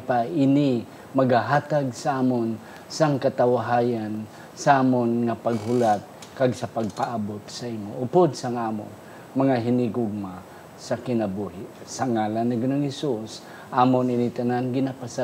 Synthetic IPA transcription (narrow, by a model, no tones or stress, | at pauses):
paʔɪni | mɐɡhaɦaːt̪aɡ̚saaːmon | saŋkat̪awaɦajan | saʔaːmonŋapaɡɦʊlat̪̚ | kaɡsɐpaɡ̚paʔabot̪̚sɐʔimoʔʊpod̪̚saŋaːmo̰n | mɐŋaɦɪnɪɡoɡ̚ma | sakɪnabuɦɪʔ | saŋalanːɪɡʊnoŋhɛsus | ʔaːmonɪnit̪ananɡɪnapasa